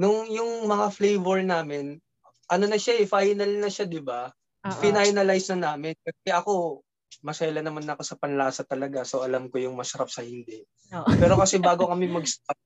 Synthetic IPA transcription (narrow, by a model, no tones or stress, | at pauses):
nʊŋjʊŋmɐŋaflejvɛɹnaːmɪn | ʔɐno̞nɐʃaɛfajnɐlnɐʃad̪ɪba | fɪnajnɐlajsnɐnaːmɪnkɐsɛʔɐko̞ | mɐsɐjlɐnɐmanɐko̞sɐpɐnlaːsɐt̪ɐlɐɡasoʔɐlamkojʊŋmɐsɐɾap̚sɐhɪnd̪ɛʔ | pɛːɾo̞kɐsɛbaːɡokɐmɛmɐɡ̚sɐɾap̚